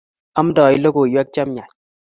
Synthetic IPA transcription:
a˦m˦dɔ˨jlo˦ko˨jwɛ˦k̚t͡ʃa˦mɲa˨ɲ̚

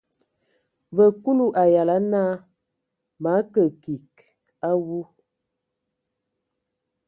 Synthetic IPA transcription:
və˨ku˦lu˦ʔa˨ja˨la˨˦na˦ | ma˨˦kə˨ki˨k | a˦wu˦

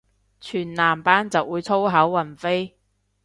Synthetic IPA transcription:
t͡ʃʰyː˨˩nlaː˨˩mpaː˥nt͡sɐ˨wːuː˨˧jt͡sʰo˥wɦɐ˨˥wːɐ˨˩nfe˥j

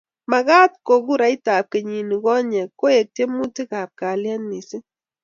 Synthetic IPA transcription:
ma˨ɣa˦t̚ko˨ɡu˦ɾa˨˦i˦ta˨p̚ke˨ɲi˨ni˨ɡɔ˦ɲɛ˨kːo˦e˨k̚te˦mu˦ti˦ka˨p̚ka˨lja˦nːi˨si˦

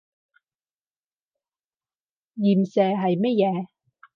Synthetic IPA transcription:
jiː˨˩msɛː˨˩ɦɐ˨jmɛ˥t̚jɛː˨˧

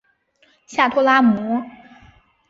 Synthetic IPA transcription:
ɕja˥˩t̪ʰɔ˥la˥mɔ˧˥

